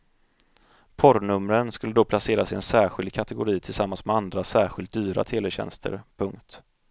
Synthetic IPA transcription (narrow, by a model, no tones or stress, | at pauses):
pʰɔɾnɵmːɾənskɵlːəd̪ɔpʰlaseːɾasɪɛnsæːɾɧɪld̪̚kʰat̪ɛɡʊɾiːt̪ʰɪlsamːansmɛand̪ɾasæːɾɧɪlt̪̚d̪yːɾa̰t̪ʰeːlɛɕɛ̰nst̪ʰə̰ɾpʰɵŋkt̪